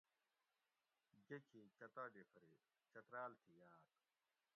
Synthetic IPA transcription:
ɡekʰit͡ɕɐt̪aːɖifɾi | t͡ɕɐt̪ɾaːlt̪ʰijaːt̪̚

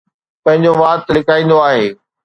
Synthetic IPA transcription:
pɐ̃ɦɪ̃ɲd͡ʑoʋaːt̪lɪkaːĩːn̆d̪oaːɦeː

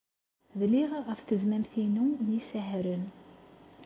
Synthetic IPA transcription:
ðliʁæfθəzmæmθinunisəɦɾən

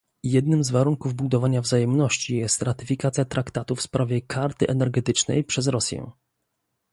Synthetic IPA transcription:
jɛd̪nɘmzvaɾuŋkuvbud̪ɔvaɲavzajɛmnɔɕt͡ɕijɛst̪ɾat̪ɘfʲikat̪sʲjat̪ɾakt̪at̪ufspɾavʲjɛkʰaɾt̪ɘʔɛnɛɾɡɛt̪ɘt͡ʂnɛ̰jpʂɛzɾɔsʲjɛ̰̃

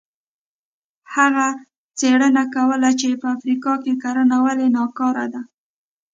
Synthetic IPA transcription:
haɣa | t͡seɽənakawəlat͡ʃepəafɾikɑkekaɾənawalenɑkɑɾa̰d̪a

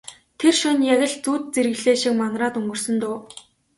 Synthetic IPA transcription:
t̪ʰerʃʊnjæɣʲɪ̆ɮt͡suːt̪̚t͡seɾɣɮeːʃĭk̚manraːt̪ɵŋɡɵ̆r̥sɵ̆nt̪ʊː

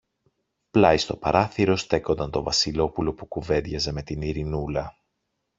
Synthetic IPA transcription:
plɐist̪o̞pɐɾʔɐθiɾo̞st̪e̞ko̞nd̪ɐnt̪o̞vɐsilo̞pulo̞pukuve̞ðʝɐze̞me̞t̪iniɾinulɐ

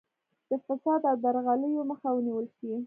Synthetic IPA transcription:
d̪̥əfasɑd̪awd̪aɾɣaləjoməxawəniwəlʃei

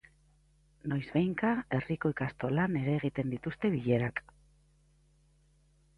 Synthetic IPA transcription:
no̞jzβejŋkae̞riko̞jkast̪o̞lane̞ɾe̞ːɣ̞it̪e̞nd̪it̪ust̪e̞βiʎe̞ɾak

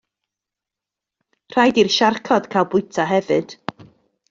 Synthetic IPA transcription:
r̥ajdirʃarkʰɔd̥kʰalˠbʊjtʰaɦɛvɨd̥

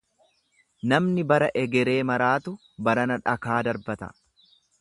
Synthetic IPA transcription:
nɐmnɪbɐɾɐʔɛɡɛɾe̞ːmɐɾaːt̪ʊ | bɐɾɐnɐᶑɐkaːd̪ɐɾbɐt̪ɐ̰

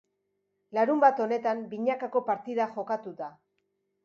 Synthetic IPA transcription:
laɾumbat̪o̞ne̞t̪ambiɲakako̞paɾt̪iðaxo̞kat̪ut̪a

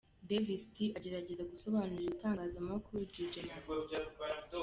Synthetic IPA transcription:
devistiaɟe̞ɾaɟe̞zaɡuso̞βaːnuɾitaːŋɡazamakuɾuɟid͡ʒema

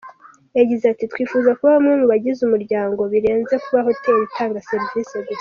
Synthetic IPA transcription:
jaɟizatitwiːfuzakuβaamuːmuβaɟizumuɾɟaːŋɡo̞βiɾe̞ːnze̞kuβaɦoteɾitaːŋɡase̞ɾviseɡu

